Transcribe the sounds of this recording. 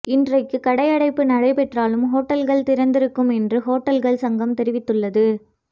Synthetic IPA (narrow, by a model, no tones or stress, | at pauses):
ɪndrɐɪkːɯkɐɽɐɪɐɽɐɪpːɯnɐɽɐɪpɛʈraːlɯmɦoːʈːɐlɣɐɭt̪ɪɾɐnd̪ɪɾɯkːɯmɛndrɯɦoːʈːɐlɣɐɭsɐŋɡɐmt̪ɛɾɪʋɪt̪ːɯɭːɐðɯ